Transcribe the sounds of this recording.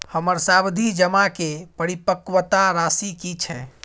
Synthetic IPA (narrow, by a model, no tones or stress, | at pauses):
həməɾsabd̪ʱid͡ʒəmakepəɾipəkwət̪aɾasikit͡ʃʰɛ